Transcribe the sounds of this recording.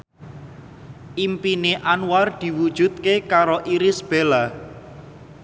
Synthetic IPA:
ʔimpineʔanward̪̥i̤wud̥ʒ̥ṳt̪̚kekaɾoʔiɾɪsb̥ela

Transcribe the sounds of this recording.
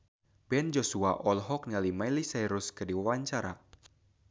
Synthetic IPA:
b̥ɛnd͡ʒosuaʔɔlɦɔk̚nalimailisajɾʊskɨrdiwawaɲt͡ʃaɾa

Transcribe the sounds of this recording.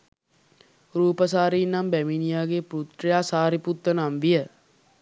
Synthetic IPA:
ɾuːpəs̬aːɾiːnːambæminijaːɡepɾut̪ɾejaːsaːɾiput̪ːənamʋijə

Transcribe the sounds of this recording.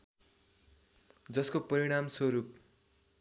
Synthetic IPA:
d͡zʌskopʌɾiɽ̃amswʌɾup̚

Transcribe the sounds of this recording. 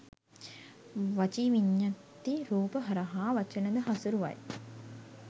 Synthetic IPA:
ʋat͡ʃiʋiɲːat̪ːiɾuːpəɦɐɾaɦaːʋɐt͡ʃənəd̪əɦɐsuɾuʋɐ̰j

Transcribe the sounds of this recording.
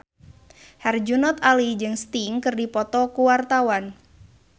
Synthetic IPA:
hɛrd͡ʒunɔt̪alid͡ʒɨŋst̪iŋkɨrdipɔt̪ɔkuwart̪awan

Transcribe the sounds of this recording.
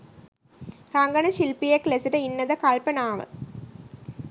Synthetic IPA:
raŋɡɐɳɐɕilpijɐklɐsiɾɐinːɐðɐkɐlpɐnaːʋɐ̰

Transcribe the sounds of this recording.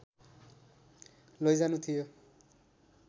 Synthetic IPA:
lojd͡zanut̪ʰijo

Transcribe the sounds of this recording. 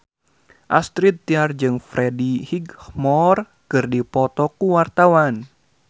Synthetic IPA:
ʔast̪ɾit̪ːiard͡ʒɨŋfɾedihiɡhmɔr | kɨrdipɔt̪ɔkuwart̪awan

